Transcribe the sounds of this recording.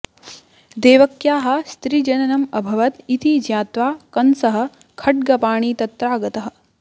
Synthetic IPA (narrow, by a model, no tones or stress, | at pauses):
d̪eːʋɐkjaːɦɐ̆st̪ɾid͡ʒɐnɐnɐmɐbʱɐʋɐt̪it̪id͡ʒjaːt̪ʋaːkɐnsɐɦɐ̆ | kʰɐʈ̚ɡɐpaːɳ̃iːt̪ɐt̪ɾaːɡɐt̪ɐɦɐ̆